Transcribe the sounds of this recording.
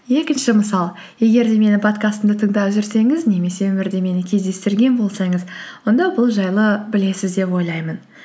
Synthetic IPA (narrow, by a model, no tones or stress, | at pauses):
je̞kʲɪnʃɪməsɑlˠ | je̞ɡʲe̞ɾd̪e̞me̞nɪpʰo̞t̪kast̪əmd̪ət̪ʰəɴd̪ɑwʒɪɾse̞ŋɪzne̞me̞se̞wɵmɪɾd̪e̞me̞nɪkʲʰe̞zd̪e̞st̪ɪɾɡʲe̞nbo̞lˠsɑŋəzwo̞nd̪ɑbʊlˠʒɑjlˠəbɪle̞sɪzd̪e̞pwo̞jlˠɑjmən